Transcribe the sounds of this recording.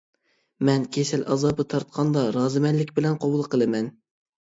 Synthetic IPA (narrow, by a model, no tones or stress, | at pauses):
mɛnkʲʰesɛlʔɑ̰zɑbɨt̪ʰɑɾt̪̚qʰɑnd̪ɑɾɑːzɨmɛlːɪkʲbɪlɛnqʰobulˠqʰəlˠɨmɛn